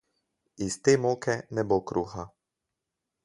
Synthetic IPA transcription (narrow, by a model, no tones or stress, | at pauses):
ist̪eːmoːkɛnɛbokɾuːxa